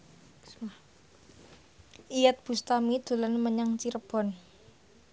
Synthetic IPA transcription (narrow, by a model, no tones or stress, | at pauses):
ʔijat̪̚b̥ṳst̪amid̪̥o̤lanməɲaŋt͡ʃiɾəb̥ɔ̤n